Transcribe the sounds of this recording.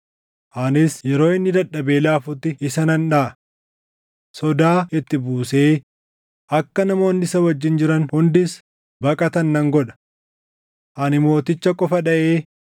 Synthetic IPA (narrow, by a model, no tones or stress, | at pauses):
ʔɐnɪsjɛɾo̞ːɪnːɪd̪ɐɗːɐbe̞ːlaːfʊt̪ːɪɪsɐnɐnᶑaːɐ | sɔd̪aːɪt̪ːɪbuːse̞ː | ʔɐkːɐnɐmo̞ːnːɪsɐwɐd͡ʒːɪnd͡ʒɪɾɐnhʊnd̪ɪs | bɐkʼɐt̪ɐnːɐŋɡɔᶑɐ̥ | ʔɐnɪmo̞ːt̪ɪt͡ʃːɐkʼɔfɐᶑɐʔeː